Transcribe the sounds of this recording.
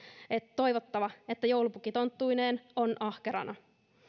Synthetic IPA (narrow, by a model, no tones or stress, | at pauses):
ett̪ːo̞jʋot̪ːɑʋɑet̪ːæjowlupukit̪o̞nt̪ːujneːno̞nʔɑhkeɾɑ̰nʔɑ